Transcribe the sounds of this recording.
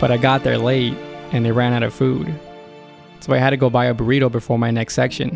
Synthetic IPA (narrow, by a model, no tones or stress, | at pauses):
b̥ʌɾaɪɡɑt̪̚ðə̰˞leɪt̚ʔɨ̃nðeɪɹæ̃ñaʊɾʌv̥fud̥ | soʊaɪɦɨd̚tɨɡoʊbaɪɨbə˞iɾoʊbɨfɔɹmaɪnɛkstsɛkʃɨ̰̃n